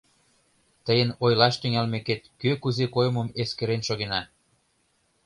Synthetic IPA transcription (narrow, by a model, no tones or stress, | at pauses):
t̪əjənojlɑʃt̪yŋælmeket̪køkuzekojməmeskeɾenʃoɣenɑ